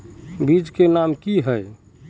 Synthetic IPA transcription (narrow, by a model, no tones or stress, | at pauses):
bid͡ʒkenamkiɦəj